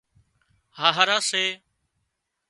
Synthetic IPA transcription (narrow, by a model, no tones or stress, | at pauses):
haːɦaːɾaːseː